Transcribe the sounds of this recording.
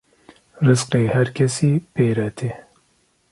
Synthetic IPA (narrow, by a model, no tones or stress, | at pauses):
rɨzqeːhɛɾkʰɛsiːpeːɾɛt̪ʰe